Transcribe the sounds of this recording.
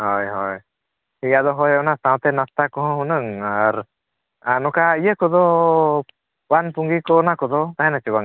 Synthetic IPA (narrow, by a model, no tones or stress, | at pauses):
hɔjɦɔj | hiɡad̪ɔɦɔjɔnast̪ãw̃t̪ɛnast̪akɔɦɔ̃ɦunəŋaɾ | anɔkaijəkɔd̪ɔ | wanpuŋɡikɔnakɔd̪ɔt̪aɦɛ̃nat͡ʃɔbaŋ